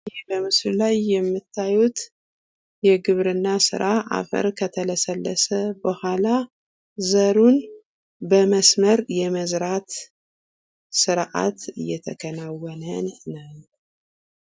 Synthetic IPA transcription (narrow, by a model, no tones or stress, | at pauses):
bəmɨslulajːɛmːɨt̪ʰːajut̪ | jɛɡɨβɾɨnːasɨ̰ɾaʔa̰fə̰ɾkʰət̪ʰələsəlːəsəbəhʷala | zəɾun | bəməsməɾjɛməzɾat̪ | sɨɾʕa̰t̪ɨjːɛt̪ʰəkʰənawɔnənːaw